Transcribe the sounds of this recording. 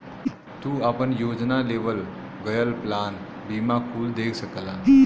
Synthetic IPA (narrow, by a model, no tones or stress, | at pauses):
t̪uːapəɳjod͡ʒnaleʋəl | ɡəjəlplan | bimakʰuːld̪ekʰsəkla